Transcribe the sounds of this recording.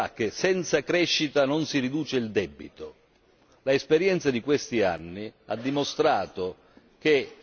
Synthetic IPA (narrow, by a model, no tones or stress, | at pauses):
ak̟ːesɛnt̪sakɾɛʃːit̪anonsirid̪uːt͡ʃeild̪ɛbːḭt̪o | laespeɾjɛnt̪sad̪ikwest̪ia̰nːia̰d̪ːimost̪ɾaːt̪o | k̟e